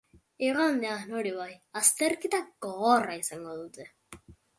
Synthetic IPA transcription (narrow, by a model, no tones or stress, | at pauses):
iɣand̪eanoɾiβajast̪erkit̪aɡ̥oɣoraisaŋɡoðut̪e